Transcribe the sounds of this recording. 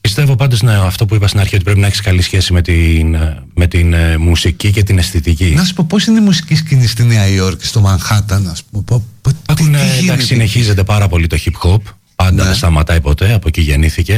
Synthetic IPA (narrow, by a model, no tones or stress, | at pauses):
pist̪e̞vo̞pɐnd̪o̞sɐft̪o̞puipɐst̪inɐɾçiot̪ipɾepinɐeçsi̥kɐlisçe̞simet̪in | me̞t̪inmusicice̞t̪inesθit̪icinɐssu̥poposineimusi̥ciscinist̪ineɐioɾkst̪omɐŋxɐt̪ɐnɐspumepop̪nedd̪ɐksisine̞çize̞t̪e̞pɐɾɐpo̞lit̪o̞çipxo̞p | pɐnd̪ɐðest̪ɐmɐt̪ɐjpo̞t̪e̞ɐpo̞ciʝeniθice̞